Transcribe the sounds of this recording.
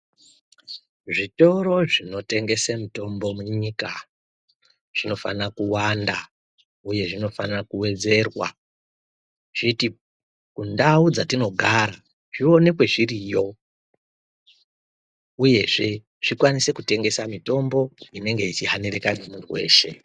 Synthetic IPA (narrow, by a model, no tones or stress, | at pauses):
ʐito̞ɾo̞ʐino̞te̞ŋɡe̞semito̞mbo̞muɲika | ʐ̥ino̞fa̰nakuwanda | uje̞ʐino̞fanakuwe̞d͡ze̞rwa̰ | ʐ̥iti | kundaud͡zatino̞ɡʱaɾa | ʐio̞ne̞kwe̞ʐirijo̞ | uje̞ʐe̞ | ʐ̥ikwanise̞kute̞ŋɡe̞samito̞mbo̞ine̞ŋɡe̞it͡ʃiɦanerekanemuntuwe̞̰ːʃe̞̰